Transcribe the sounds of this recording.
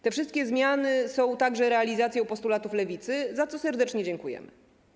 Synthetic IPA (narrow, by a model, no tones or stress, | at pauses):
t̪ɛfʂɘst̪̚kʲɛzmʲjanɘsɔ̃w̃t̪aɡʐɛɾɛalʲizat̪sʲjɛwpɔst̪ulat̪uflɛvʲit̪sɘzat̪sɔsɛɾd̪ɛt͡ʂɲɛd͡ʑɛŋkujɛ̰mɘ